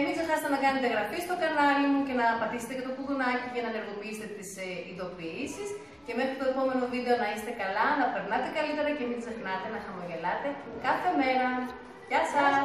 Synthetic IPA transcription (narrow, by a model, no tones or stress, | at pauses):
minɡze̞xɐset̪e̞nɐkɐne̞t̪eɣɾɐfist̪o̞kɐnɐlimuce̞nɐːpɐt̪iset̪ecɐt̪opuðunɐcicɐnɐne̞ɾɣo̞piiset̪et̪isind̪o̞piisis | ce̞me̞xɾit̪oe̞po̞me̞no̞vid̪e̞o̞nɐist̪e̞kɐlɐnɐpe̞ɾnɐt̪e̞kɐlit̪e̞ɾɐce̞minɡze̞xnɐt̪e̞nɐxɐmo̞ʝe̞lɐt̪e̞kɐθe̞me̞ɾɐ | ʝɐsɐ